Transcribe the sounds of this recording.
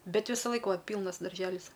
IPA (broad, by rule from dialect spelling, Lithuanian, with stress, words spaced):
ˈbʲɛt ˈʋʲɪsɐˌlˠɐɪk ˈʋɐ ˈpʲiːlˠnɐs dɐrʲˈʒʲæːlʲɪs